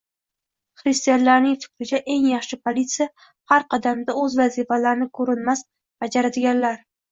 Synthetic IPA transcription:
χɾɪst̪ijanlaɾnɪŋfɪ̥kʲɾɪt͡ʃʰaʔe̞ŋjɑχʃɪpʰolit̪sija | haɾqʰɑd̪amd̪aɵzvazifalaɾɪnɪkʰɵɾɪnmas | b̥ad͡ʒaɾad̪ɪɡʲanlaɾ

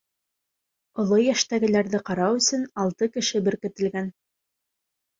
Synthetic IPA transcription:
ŏlˠojæʃt̪æɡɘ̆læɾðɘqɑɾɑwɵ̆sɵnɑlˠt̪ɤkɘ̆ʃɘbɘ̆ɾkɘ̆t̪ɘ̆lɡæn

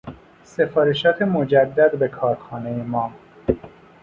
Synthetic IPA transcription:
se̞fɒːɾeʃɒːt̪ʰemod͡ʒæd̪ːæd̪be̞kʰɒːɾxɒːnejemɒː

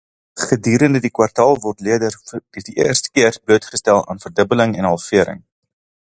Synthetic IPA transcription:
χədyːɾəndədikwɐrtɑːlˠvɔrtliədərd̥ədiʔḭərstə̥kiərbluətχəstælˠɑ̰ːnfərdəbələŋɛnɦɐlˠfiəɾə̰ŋ

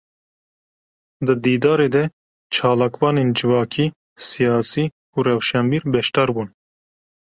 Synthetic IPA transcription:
d̪ɨd̪iːd̪ɑːɾeːd̪ɛ | t͡ʃʰɑːlɑːkvɑːneːnd͡ʒɨvɑːkʰiː | sijɑːsiː | uːɾɛwʃɛmbiːɾbɛʃt̪ɑːɾbuːn

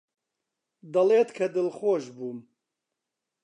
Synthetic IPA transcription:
d̪ɐleːt̪kʰɐd̪ɨlxoːʒbuːm

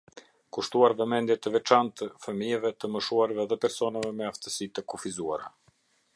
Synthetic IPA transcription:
kuʃt̪uaɾvɛmɛnd̪jɛt̪əvɛt͡ʃant̪əfəmijɛvɛt̪əməʃuaɾvɛðɛpɛɾsɔnavɛmɛaft̪əsit̪əkɔfizuaɾa

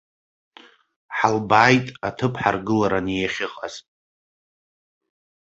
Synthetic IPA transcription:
ħalbaːjtʼatʰɨpʰħarɡɨlaɾanjaχʲɪqʼaz

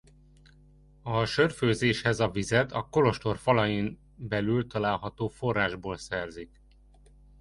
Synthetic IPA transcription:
ɒʃørføːzeːʃhɛzɒvizɛt̪ɒko̞lo̞ʃt̪o̞rfɒlɒjin | bɛlylt̪ɒlaːlɦɒt̪oːfo̞rːaːʒboːlsɛrzik

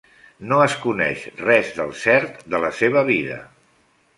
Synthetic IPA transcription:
noəskunɛ̰ʃrɛzðəlˠsɛɾt̪d̪ələseβəβiðə̰

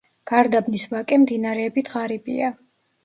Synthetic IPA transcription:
ɡ̥aɾd̪abnisvakʼɛmd̪inaɾɛːbit̪ʰʁaɾibʼḭa

